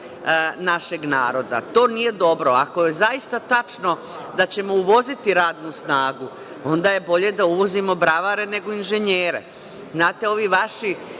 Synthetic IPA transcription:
naʃeɡnaːɾo̞d̪a̰t̪o̞ːnije̞d̪o̞bɾo̞akoje̞zaist̪at̪at͡ʃno̞ | d̪at͡ɕe̞mo̞uʋo̞zit̪iɾaːd̪nusnaːɡu | o̞nd̪aje̞bo̞ʎe̞d̪auʋo̞zimo̞bɾaʋaɾe̞ne̞ɡo̞inʒe̞ɲeːɾe̞̰ | znaːt̪e̞o̞ʋiːʋaʃi

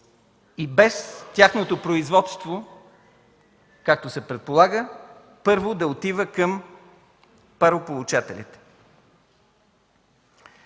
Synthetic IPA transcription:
ibɛst̪ʲaxnot̪opɾoizvɔt̪st̪vo | kak̚t̪osɛpɾɛt̪̚polˠaɡə | pɤɾvod̪ɐot̪ivəkəm | pɐɾopolˠut͡ʃat̪ɛ̰lʲḭt̪

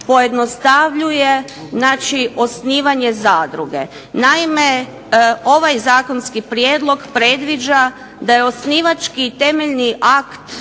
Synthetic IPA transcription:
po̞je̞d̪no̞st̪aʋʎuje̞ | znaːt͡ʃio̞sniːʋaɲe̞zaːd̪ɾuɡe̞̰ | naime | o̞ʋajzaːko̞nskipɾjeːd̪lˠo̞ɡpɾe̞d̪ʋid͡ʒa | d̪ajeo̞sniːʋat͡ʃkit̪e̞meʎniʔakt̪

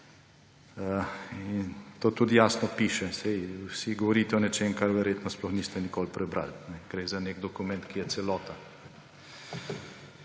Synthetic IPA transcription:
int̪oːt̪ud̪ijaːsnɔpiːʃɛsɛjwsiɡɔʋɔɾiːt̪ɛɔnɛt͡ʃemkaɾʋɛɾjet̪nɔsplɔxnist̪ɛnikolpɾɛbɾa̰lnɛɡ̥ɾezaneɡd̪ɔkumɛ̃nt̪kijɛt̪sɛlɔːt̪anɛ

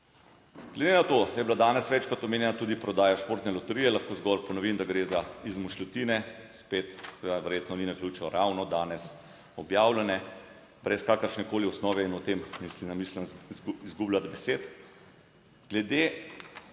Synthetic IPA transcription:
ɡ̥lɛd̪enat̪ojɛblad̪aːnɛsʋɛt͡ʃkɔt̪ɔmeːnjɛnat̪uːd̪ipɾɔd̪aːjaʃpoːɾt̪nɛlɔt̪ɛɾijɛlaxkoːzɡɔlpɔnɔʋimd̪aɡɾeːzaizmuʃlɔt̪iːnɛspet̪sɛʋed̪aʋɛɾjeːt̪nɔninakljut͡ʃɔɾʔawnɔd̪aːnɛs | ɔbjaːwlanɛ | bɾɛskaːkəɾʃnɛkoːliɔsnɔːʋɛinɔt̪emmislinamiːslənzizɡublat̪bɛseːt̪ | ɡlɛd̪e

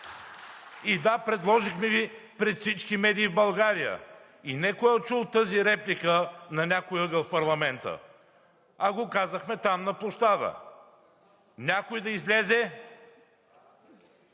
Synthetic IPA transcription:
id̪apɾɛd̪lˠɔʒixmɛvipɾɛt̪fsit͡ʃkimɛd̪iːvbɐlˠɡaɾijə̰ | inɛkoɔt͡ʃulˠt̪ɤziɾɛplʲikənɐnʲakojəɡəfpɐɾlˠɐmɛnt̪ə̰ | ɐɡokazəxmɛt̪amnɐplˠoʃt̪ad̪ə̰ | nʲakojd̪ɐizlʲɛzɛ

